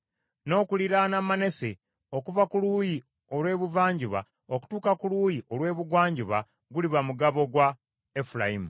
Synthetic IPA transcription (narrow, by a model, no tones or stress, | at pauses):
no̞ːkuliɾanamane̞se̞ | o̞kuvakuluːji | o̞lwe̞ːβuvaːɲɟiβa̰ | o̞ku̥tuːkakuluːjiʔolwe̞ːβuɡwaːɲɟiβa | ɡuliβamuɡaβo̞ɡwa | efulajimu